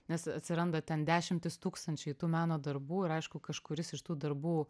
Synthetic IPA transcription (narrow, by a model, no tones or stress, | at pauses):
nʲɛsɐt̪ʲsʲɪɾɐnd̪ɐt̪ʲɛnd̪ʲæːʃʲɪmʲt̪ʲɪst̪uːkst̪ɐnʲt͡ʃʲɛɪt̪uːmʲæːnoːd̪ɐɾbuːɪɾɐɪʃkʊkɐʃkʊɾʲɪsɪʃt̪uːd̪ɐɾbuː